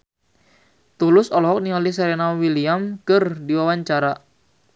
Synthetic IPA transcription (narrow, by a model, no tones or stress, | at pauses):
t̪ulʊsɔlɔɦɔk̚nialis̬ɛɾenawiliamkɨrdiwawaɲt͡ʃaɾa